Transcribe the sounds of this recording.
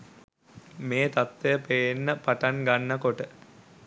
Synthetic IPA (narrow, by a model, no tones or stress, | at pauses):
meːt̪at̪ʋejəpejenːəpaʈaŋɡanːəkoʈə